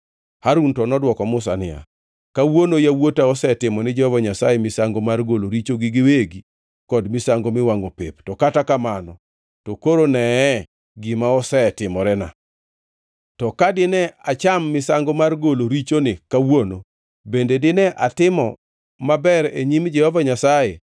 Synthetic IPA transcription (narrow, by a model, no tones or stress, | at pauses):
haɾuntɔnɔdwɔkɔmʊs̬a̰nɪ̰a̰ | kawonojawotaɔsɛtɪmɔnɪd͡ʒɔhɔvaɲasajemɪsaŋɡomarɡoloɾit͡ʃoɡɪɡɪweɡi | kɔdmɪsaŋɡomɪwaŋopḛptɔkatakamanɔ | tɔkoɾonɛː | ɡɪmaɔsɛtɪmɔɾɛna̰ | tɔkadɪnɛat͡ʃamːɪsaŋɡomarɡoloɾit͡ʃonɪkawono | bendedɪnɛʔatɪmɔ̰ | mabɛɾeɲimd͡ʒɛhɔvaɲasaje